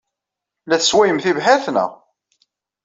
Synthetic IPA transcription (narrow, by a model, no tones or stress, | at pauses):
læθəswæjəmθivɦæθnə̰